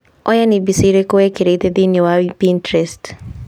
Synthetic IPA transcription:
ɔjanibisiɾekoekeɾetedɪnowapintɾest

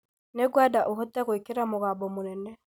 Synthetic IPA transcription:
neɡwadaʔoɦɔtɛɣoekeɾamoɣaːbɔmonɛnɛ

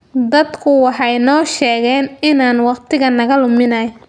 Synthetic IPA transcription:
d̪ɐd̪kʰʊwɑħɑjnɔːʃɛːɣɛːnɪnaːnwɑqt̪ʰɪɣɐnɐɣɐlʊmɪnɐj

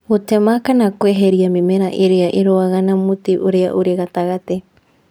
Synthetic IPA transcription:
oteamakanakoeɦeɾiamimeɾaʔeɾeaʔiɾoaɣanamut̪iʔoɾea̰ʔuɾeɣat̪aɣat̪e

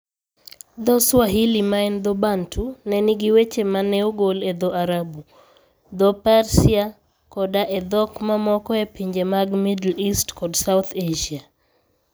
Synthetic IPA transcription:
d̪ɔswaɦilimaɛnd̪ɔbantunɛniɡiwet͡ʃemanɛuɡolɛd̪ɔʔaɾabu | d̪ɔpaɾsia | kɔdaʔɛd̪ɔkmamɔkɔepiɲd͡ʒemaɡmidlistkɔdsaut̪ʰeʒia

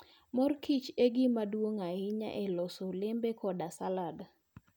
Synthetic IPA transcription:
mɔrkʰit͡ʃeɡɪmadwoŋaɪɲa̰ʔɛlɔsolembekɔdasalad

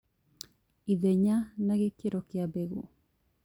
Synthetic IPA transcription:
iðeɲanaɣekeɾokiabeɣu

